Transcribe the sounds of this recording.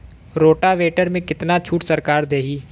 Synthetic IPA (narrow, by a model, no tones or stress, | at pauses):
ɾoːʈaʋeːʈəɾmẽkɪt̪nat͡ʃʰuːʈsəɾkaːɾd̪eːɦiː